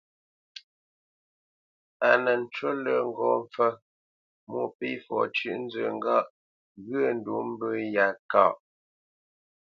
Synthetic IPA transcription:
a˨nə˨n̩˨t͡ʃə˦lə˨ŋ˦ɡɔ˨ɱfə˦ | mu˦˨pi˦fɔ̰˨t͡ʃʉ˦ʔn̩˦d͡zə˨ŋ̩˦ɡa˦˨ʔ | ɣə˦˨n̩˨du˨˦m˦bə˦ja˨ka˦˨ʔ

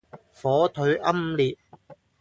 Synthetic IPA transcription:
fɔː˨˥t̪ʰɵ˨˧˥ɥʔɐ˥mliː˨t̚

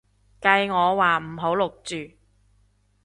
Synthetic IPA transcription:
kɐ˧jŋɔː˨˧waː˨m̩˨˩ɦo˨˥wlʊ˨k̚t͡ʃyː˨˩

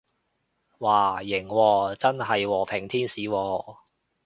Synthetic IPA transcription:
waː˨˩jɪ˨˩ŋwɔː˧t͡sɐ˥nɦɐ˨jwɔː˨˩pʰɪ˨˩ŋt̪ʰiː˥nsiː˨˦wɔː˧

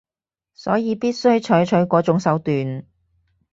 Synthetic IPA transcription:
sɔː˨˥jiː˨˧piː˥t̚sɵ˥ɥt͡ʃʰɵ˨˥ɥt͡ʃʰɵ˨˥ɥkʷɔː˨˥t͡sʊ˨˥ŋsɐ˨˥wt̪yː˨n

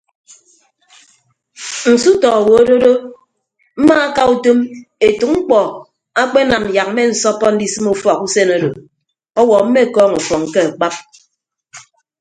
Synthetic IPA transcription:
n̩˨su˦tɔ˨wo˨o˦do˦ɾo˦ | m̩˦ma˦a˦ka˦u˦to˦me˨tu˨k̚ŋ͡m̩˦k͡pɔ˨ | a˦k͡pe˦na˨m̩˨ja˨k̚m̩˦me˦n̩˨sɔ˦pɔ˦n̩˦di˦sɨ˦mu˦fɔ˨ku˦se˦na˦ɾo˨ | ɔ˦wɔ˨m̩˦me˦˨kɔː˦ŋu˨fɔ˨ŋ̩˨ke˦a˨k͡pa˦p̚

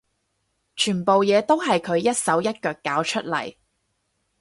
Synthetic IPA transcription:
t͡ʃʰyː˨˩npo˨wjɛː˨˧t̪o˥wɦɐ˨jkʰɵ˨˧ɥjɐ˥t̚sɐ˨˥wjɐ˥t̚kœː˧kːaː˨˧˥wt͡ʃʰɵ˥t̚lɐ̰˨˩j

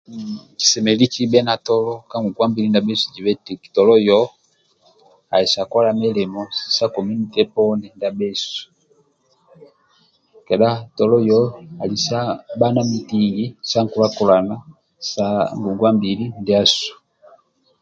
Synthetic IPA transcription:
t͡ʃi̥˨sɛ˨mɛ˨li˦t͡ʃi˦bɛ˦na˨tɔ˦lɔ˦ka˦ŋɡu˨ŋɡwa˦mbi˨li˦nda˨bɛ˦su˨d͡ʒi˨βɛ˦ti˨ki̥˨tɔ˨lɔ˦jɔ˦ | a˨ɛ˨sa˨kɔ˦la˨mɛ˦lɛ˨mɔ˦˨sa˦kɔ˨mi˦ni˨tɛ˦pɔ˦ndɛ˨nda˨bɛ˦su̥˨ | kɛ˨ɗa˦tɔ˨lɔ˦jɔ˦a˨li˨sa˦ba˦na˦mi˨ti˦ji˦sa˦ŋku˨la˦kɔ˨la˨na˦ | sa˨˦ŋɡu˨ŋɡwa˦mbi˨li˦ndɛ˦a˦su̥˨

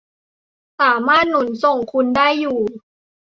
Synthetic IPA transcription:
saː˩˦maː˥˩t̪̚nu˩˦nso˨˩ŋkʰu˧ndaː˥˩jːuː˨˩

